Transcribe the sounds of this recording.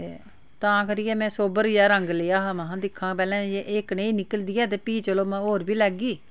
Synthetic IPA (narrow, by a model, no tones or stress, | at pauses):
e | t̪ãːkəɾiːɛːmɛ̃ːsoːbəɾjaːɾəŋɡleːaːɦamaɦãːd̪ɪkʰːãːpɛːlɛ̃ːeʔeːkneːinɪkəld̪iːɛːt̪̬eːpiːt͡ʃəloːmɛ̃oːɾbiːlɛːɡiː